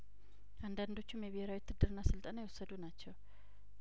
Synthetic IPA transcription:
ʔand̪and̪o̞t͡ʃːumjɛβiheɾawit̪ʰːɨd̪ːɨɾɨnːasɨlt̪ʼanajwosːəd̪unat͡ʃːɛw

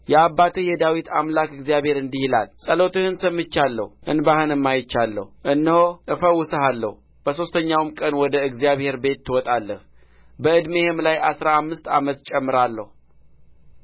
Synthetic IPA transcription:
jɛabːat̪ʰɨjɛd̪awit̪ʰa̰mlakɨɡzijaβhe̞ɾɨnd̪ihila̰lsʼəlo̞t̪ɨhɨnsəmːɨt͡ʃːalːə̰huʔɨ̰nbahɨnɨmːajɪt͡ʃːalːə̰huʔɨnːəhoʔɨfəwʊsəhalːə̰hu | b̥əso̞st̪ʰəɲːawmkʼənwɔd̪əɨɡzijaβhe̞ɾbe̞t̪ːɨwɔt̪ʼalːəh | bəɨd̪mehemlajʔasɾaːmːɨst̪a̰mət̪t͡ʃʼɛmːɨɾalːəhu

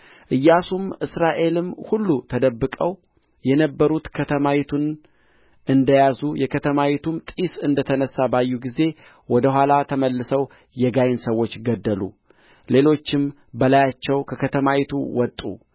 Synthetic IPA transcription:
ʔɨjːasumʔɨsɾaʔe̞lɨmhulːut̪ʰəd̪əbːɨkʼəw | jɛnəbːəɾut̪kʰət̪ʰəmawit̪ʰun | ʔɨnd̪əjazujɛkʰət̪ʰəmawit̪ʰumt̪ʼisɨnd̪ət̪ʰənəsːabajːuɡize̞ | wɔd̪əɦʷalat̪ʰəməlːɨsəw | jɛɡajɪnsəwːo̞t͡ʃːɡəd̪ːəlṵ | le̞lo̞t͡ʃːɪm | bəlajat͡ʃːɛwkʰəkʰət̪ʰəmawit̪ʰṵwɔt̪ʼːṵ

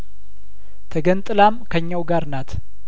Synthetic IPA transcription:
t̪ʰəɡənt̪ʼɨlamkʰəɲːawɡaɾnat̪

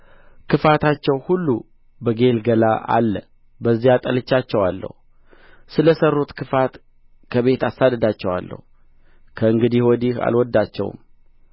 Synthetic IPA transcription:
kʰɨfat̪ʰat͡ʃːɛwhulːu | bəɡe̞lɡəlaʔa̰lːə | bəzːijat̪ʼəlɨt͡ʃːat͡ʃːɛwalːə̰hu | sɨləsərːut̪kʰɨfat̪ | kʰəβe̞t̪asːad̪əd̪at͡ʃːɛwa̰lːə̰hu | kʰəɨŋɡɨd̪iwɔd̪iha̰lwɔd̪ːat͡ʃːɛ̰w̰m

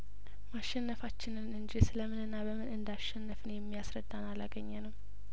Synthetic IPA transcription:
maʃɛnːəfat͡ʃːɪnɨnɨnd͡ʒisɨləmɨnɨnːabəmɨnɨnd̪aʃɛnːəfɨnjɛmːijasɾəd̪ːanalaɡəɲːɛnəw

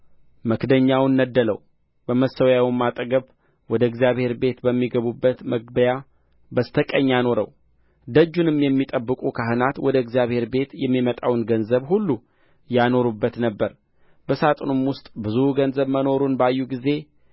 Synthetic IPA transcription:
məkd̪əɲːawnːəd̪ːələw | b̥əməsːəwjawimːat̪ʼəɡəβ | wɔd̪əɨɡzijaβhe̞ɾbe̞t̪bəmːiɡəβubːət̪məɡbəja | bəst̪ʰəkʼəɲːano̞ɾəw | d̪əd͡ʒːunɨmjɛmːit̪ʼəbːɨkʼukʰaɦɨnat̪wɔd̪əɨɡzijaβhe̞ɾbe̞t̪jɛmːimət̪ʼawnɡənzəβhulːu | jano̞ɾubːət̪nəbːəɾ | bəsat̪ʼnumwʊst̪ʼbɨzuɡənzəβməno̞ɾunbajːuɡize̞

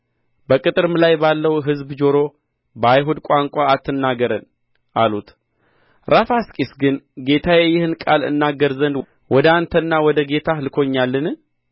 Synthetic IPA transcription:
bəkʼɨt̪ʼɨɾmlajbalːəwɦɨzbd͡ʒo̞ɾo | bəajɦud̪kʷʼaŋkʷʼaːt̪ʰːɨnːaɡəɾən | ʔalut̪ | ɾafaskʼisɡɨnɡe̞t̪ʰajeɛjːɪhɨnkʼalɨ̰nːaɡːəɾzənd̪ | wɔd̪əant̪ʰənːawɔd̪əɡe̞t̪ʰalɨkʰo̞ɲːalːɨnɨ

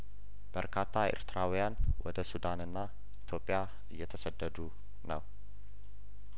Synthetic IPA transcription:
b̥əɾkʰat̪ʰːaḛɾt̪ɨɾawijanwʔɔd̪əsud̪anɨnːa | it̪ʰo̞pʼija | ɨjːɛt̪ʰəsəd̪ːəd̪u | nəw

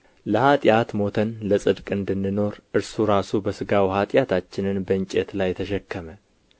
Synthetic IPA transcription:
ləhat̪ʼjat̪mo̞t̪ʰənləsʼɨd̪kʼɨnd̪ɨnːɨno̞ɾʔɨɾsuɾasubəsɨɡawhat̪ʼjat̪ʰat͡ʃːɪnɨnbəɨɲt͡ʃʼet̪lajɛt̪ʰəʃɛkːəmə

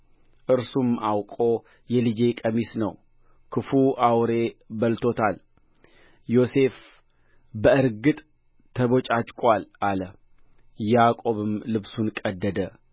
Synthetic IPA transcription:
ʔɨɾsumawkʼo̞ | jɛlɨd͡ʒe̞kʼəmisnəw | kʰɨfuʔawɾe̞bəlt̪ʰo̞t̪ʰal | jo̞se̞f | bəɨɾɡɨt̪ʼ | t̪ʰːəβo̞t͡ʃʼat͡ʃʼkʼʷalʔalə | jakʼo̞βɨmlɨβsunkʼəd̪ːəd̪ə

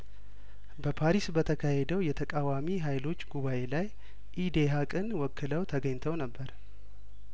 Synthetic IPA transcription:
bəpʰaɾisbət̪ʰəkʰahed̪əwjɛt̪ʰəkʼawamiɦajlo̞t͡ʃːɡuβaʔe̞laj | ʔid̪eɦakʼɨnwɔkʰːɨləwt̪ʰəɡəɲt̪ʰəwnəbːəɾ

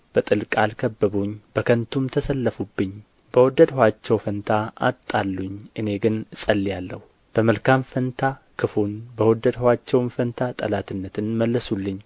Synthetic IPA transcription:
b̥ət̪ʼɨlkʼalkʰəbːəβoɲːb̥əkʰənt̪ʰumt̪ʰəsəlːəfubːɨɲː | bəwɔd̪əd̪hwat͡ʃːɛwfənt̪ʰaa̰t̪ʼːalːuɲːʔɨne̞ɡɨnɨsʼəlːijalːə̰hu | b̥əməlkʰamfənt̪ʰa | kʰɨfonbəwɔd̪əd̪hwat͡ʃːɛwmfənt̪ʰat̪ʼə̰lat̪ʰɨnːət̪ʰɨnməlːəsulːɨɲː

